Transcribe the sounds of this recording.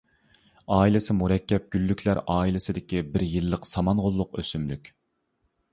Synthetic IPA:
ɑːilɪsɪmuɾɛkʲːɛp̚ɡ̥ʲylːykʲʰlæɾɑːilɪsɪd̪ɪkʲibɪɾjɨlˠːəqsɑmɑnʁolˠːʊqø̰symlykʲ

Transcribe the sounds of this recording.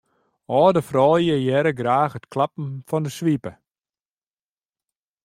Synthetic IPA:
ɔːdəfrɔːlˠjəjɛɾəɡraːxətklap̚m̩fɔndəsʋipə

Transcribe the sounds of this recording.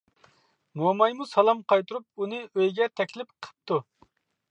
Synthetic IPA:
momɑjmusɑlˠɑmqʰɑjt̪uɾup̚unɨøjɡʲɛt̪ʰɛkʲlɪpqʰə̥p̚t̪u

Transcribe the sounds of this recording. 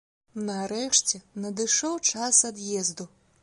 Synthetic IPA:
nɐɾɛʂt͡sʲɛnɐd̪ɨʂɔwt͡ʂasɐd̪jɛzd̪u

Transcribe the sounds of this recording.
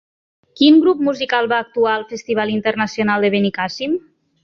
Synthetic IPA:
kinɡɾup̚muzikalˠβaːk̚t̪uaəlˠfəst̪iβ̞alint̪ərnəsionalˠd̪əβenikasim

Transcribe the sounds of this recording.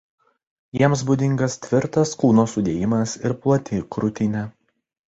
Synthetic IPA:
jiɛms̬bʊd̪ʲɪŋɡɐst̪ʲʋʲɪɾt̪ɐskˠuːnoːsʊd̪ʲeːjɪmɐsɪɾplˠɐt̪ʲɪkɾʊt̪ʲɪnʲɛ

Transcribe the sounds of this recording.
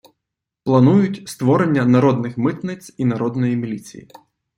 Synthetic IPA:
plˠɐnujʊtʲst̪ʋɔɾenʲːɐnɐɾɔd̪nɪxmɪt̪nɪsʲinɐɾɔd̪nɔjimʲilʲit͡sʲḭjḭ

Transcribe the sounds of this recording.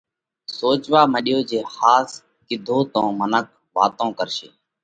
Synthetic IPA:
soːt͡ʃʋaːməɗɪjoːd͡ʒeːhaːs | kɪd̪ʱõːt̪õːmənək̚ | ʋa̰ːt̪õːkəɾʃḛː

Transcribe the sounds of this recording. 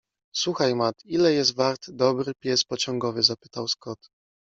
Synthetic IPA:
swuxajmat̪ilɛjɛs̬t̪vaɾt̪d̪ɔbɾɘpʲjɛspɔt͡ɕɔŋɡɔvɘzapɘt̪awskɔt̪

